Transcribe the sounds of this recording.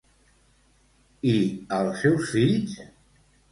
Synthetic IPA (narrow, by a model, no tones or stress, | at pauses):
iəlˠsːɛwsfiʎs